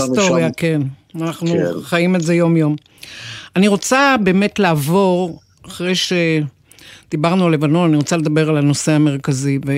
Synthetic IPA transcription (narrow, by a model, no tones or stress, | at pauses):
st̪oʁjakenanaχnuχajimeze̞jo̞mjo̞m | aniʁo̞t͡sabe̞ːme̞tlaːvo̞ʁ | aχʁejʃe̞ | d̪̥ibaʁnualevano̞naniʁot͡sale̞d̪ɐbe̞ʁalano̞seame̞ʁ̞kazive